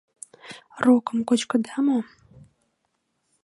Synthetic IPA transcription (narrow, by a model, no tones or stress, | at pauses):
roːkʼɨmkʷʼɔd͡ʒkʼɨdamo